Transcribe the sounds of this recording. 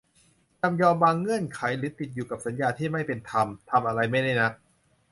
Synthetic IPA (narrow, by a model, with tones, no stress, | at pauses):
t͡ɕa˧mjɔː˧mwaː˧ŋːɯ˥˩ənkʰa˩˦jɾɯː˩˦˥t̪i˨t̪̚juː˨˩ka˨˩p̚sa˩˦njaː˧t̪ʰiː˥˩ma˥˩jpe˧nt̪ʰa˧mt̪ʰa˧mʔa˧ɾa˧jma˥˩jda˥˩jna˦˥k̚